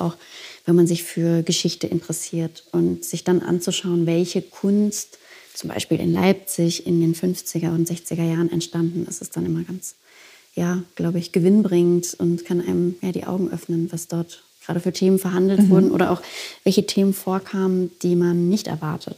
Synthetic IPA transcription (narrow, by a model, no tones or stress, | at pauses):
ʔaʊxvɛnmanzɪçfyːɐɡəʃɪçtəʔɪ̰ntəʁəsiːɐtʔʊntz̥ɪçd̥anʔa̰nt͡suʃaʊənvɛlçəkʰʊnstt͡sʊmba̰ɪʃpiːlɪ̰nla̰ɪp̚t͡sɪçɪndeːnfʏnft͡sɪɡɐʊntz̥ɛçt͡sɪɡɐjaːʁənɛ̰ntʃtandn̩ɪ̰stɛsd̥anʔɪmɐɡant͡s | jaːɡ̥laʊbəɪçɡ̥əvɪnbʁɪŋtʊntkʰanʔaɪnəmjaːɾiːʔa̰ʊɡŋ̩ʔœ̰fnənvasd̥ɔɐt | ɡ̥ʁa̰ːɾəfyːɐtʰeːmənfɛɐɦandl̩tv̥ʊɐdn̩ʔo̰ːɾɐʔa̰ʊxv̥ɛlçətʰeːmənfoːɐkʰaːmənd̥iːmanːɪçtɛ̰ɐvaɐtʰət